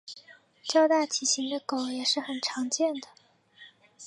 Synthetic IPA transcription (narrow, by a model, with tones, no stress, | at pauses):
t͡ɕjɑ˥˧ʊt̪a˥˩t͡ɕʰi˨˩ɕi˧˥ŋd̪ə˧ko˨˩ʊjɛ˨˩ʂɻ̩˥˩xə˨˩nʈ͡ʂʰɑ˧˥ŋt͡ɕjɛ˥˩nd̪ə˩